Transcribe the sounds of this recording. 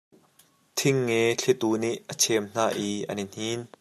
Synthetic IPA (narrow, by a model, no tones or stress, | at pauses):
t̪ʰɪŋːɛɬʰɛt̪uːniʔːət͡sʰɛmn̥aːʔiːʔɐ̰nin̥hiːn